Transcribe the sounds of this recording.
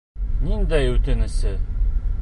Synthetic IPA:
nind̪æjʉt̪ɘ̆nɘ̆sɘ

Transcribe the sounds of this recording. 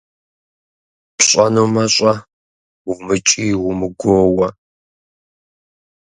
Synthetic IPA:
pɕʼɐnumɐɕʼɐ | wʊmɨt͡ʃʼiːwʊmɨɡʷoːwɐ

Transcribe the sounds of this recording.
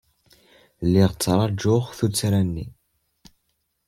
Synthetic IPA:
lːiʁt͡sːɾˤɑd͡ʒʊχθut͡sːɾænːḭ

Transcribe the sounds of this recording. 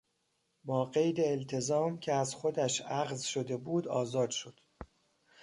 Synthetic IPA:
bɒːɢe̞jd̪eːlt̪ʰe̞zɒːmcʲʰeæzxod̪æʃʔæɣzʃo̞d̪e̞buːd̪ɒːzɒːd̪ʃo̞d̪̥

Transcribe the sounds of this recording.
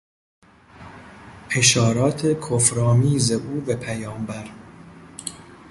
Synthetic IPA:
pʰeʃɒːɾɒːt̪ʰe̞kʰofɾɒːmiːzeʔuːvepʰæjɒːmbæɾ

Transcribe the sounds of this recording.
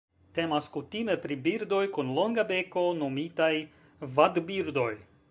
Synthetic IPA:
te̞maskutime̞pɾibiɾdo̞jkunlo̞ŋɡabe̞ko̞nomitaj | vadbiɾdo̞j

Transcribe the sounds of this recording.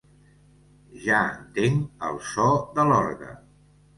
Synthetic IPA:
ʒaənt̪eŋə̰lˠsɔðəlɔɾɣə̰

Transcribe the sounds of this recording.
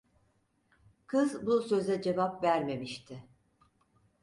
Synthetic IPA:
kʰɯzbusø̞zɛd͡ʒe̞vapvæɾme̞miʃt̪ʰɪ

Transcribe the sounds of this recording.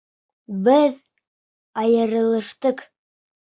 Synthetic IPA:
bɘð | ɑjɤ̆ɾɤ̆lˠɤ̆ʃt̪ɤq

